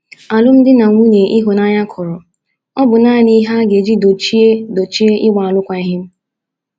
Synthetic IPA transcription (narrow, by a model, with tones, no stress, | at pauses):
a˨lʊ˦m̩˦dɪ˦na˨ŋʷu˦ne˨ʔi˦ɦo˨na˦ɲa˦kʰɔ˨ɾɔ˨ | ɔ˦bʊ˨naː˦˨ni˦ɦa˦ɡe˨d͡ʒi˦do˨t͡ʃi˦e˦do˨t͡ʃi˦e˦ʔɪ˦wʷa˨a˨lʊ˦kʷa˨i˦ɦɪ˦m̩˦